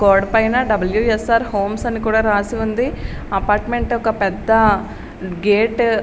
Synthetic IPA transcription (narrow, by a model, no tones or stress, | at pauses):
koːɖpɐjnɐɖɐbɐljuesaːɾhoːmsɐnːikuːɽaːɾaːsiund̪iɐpaːɾʈmeɳʈɔkɐpɛd̪ːɐ | ɡeːʈ